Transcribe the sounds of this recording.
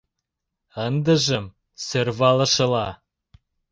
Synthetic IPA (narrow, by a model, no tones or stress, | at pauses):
ənd̪ə̆ʒə̆m | sørβɑlɤ̆ʃə̆lɑ